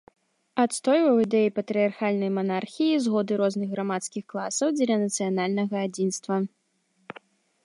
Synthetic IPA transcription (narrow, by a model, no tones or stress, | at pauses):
at̪st̪ɔjvɐwid̪ɛjipɐt̪ɾɨjarxalʲnɐjmanarxʲijizɣɔd̪ɨɾɔznɨɣɣamat̪skʲixklˠasɐwd͡zʲɛlʲɐnɐt̪sɨjanalʲnɐɣɐːd͡zʲinst̪vɐ